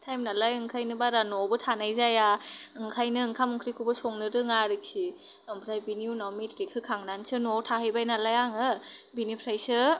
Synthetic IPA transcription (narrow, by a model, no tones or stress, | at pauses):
tʰajmnalajɯŋkʰajnɯbaɾanɔbɯtʰanajzajaɯŋkʰajnɯɯŋkʰamɯŋkʰɾikʰubɯsɔŋnɯɾɯŋaɾɯk̚si | ɔmpʰɾajbiniwnawmitʰɾikʰɯkʰaŋnansɯnɔtʰahɯjbajnalajaŋɯbinipʰɾajsɯ